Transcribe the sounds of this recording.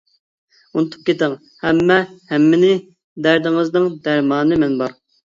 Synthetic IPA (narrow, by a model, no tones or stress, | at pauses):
unɨt̪ʰu̥p̚kʲet̪ɪŋ | hɛmːɛhɛmːɪnɪ | d̪æɾd̪ɪŋɨznɨŋd̪æɾmɑːnɨmɛnbɑɾ